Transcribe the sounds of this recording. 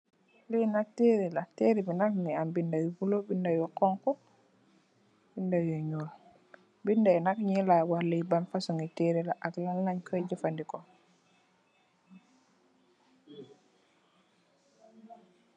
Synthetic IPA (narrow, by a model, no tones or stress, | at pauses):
lijnateɾilateɾibinakŋiambindawibulobindawjɔkɔŋkɔ | bindawoɲol | bindaɛnakɲilawalibanfasɔŋiteɾilaʔaklalːaɲkʰɔd͡ʒɛfandikɔ